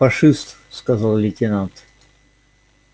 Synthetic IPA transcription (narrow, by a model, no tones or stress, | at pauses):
fɐʂɨst̪ | skɐzɑlˠlʲɪtʲɪnant̪